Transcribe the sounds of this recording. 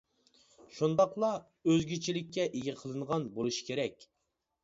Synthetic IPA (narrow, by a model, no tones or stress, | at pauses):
ʃund̪ɑqlˠɑ | øzɡʲit͡ʃʰilɪkʲːɛʔeɡʲɛqʰəlˠɨnʁɑnbolˠuʃi̥kʲʰeɾɛkʲ